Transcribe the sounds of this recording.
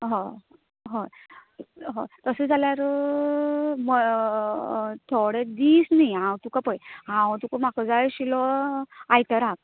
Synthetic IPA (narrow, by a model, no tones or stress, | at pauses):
ɦo | ɦo | ɦot̪əsed͡zaljaɾ | m | t̪ʰoɽed̪iːsnajɦãwt̪ukapəjɦãwt̪ukamakəd͡zajɕilɔajt̪əɾak̚